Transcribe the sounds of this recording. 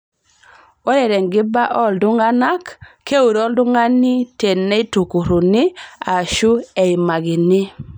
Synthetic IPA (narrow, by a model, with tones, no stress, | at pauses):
ɔ˦ɾɛ˨ɾɛ˨ŋɡɪ˦ba˦ʔɔ˦˨ldʊ˦ŋa˦na˦kkːe˦u˨ɾɔ˦ldʊ˦ŋa˦nɪ˦te˨nːɛ˦ɪ˦tu˨ko˨ɾo˨nɪ˦a˨ʃu˦ɛ˨ɪ˨ma˨ɡɪ˨nɪ˦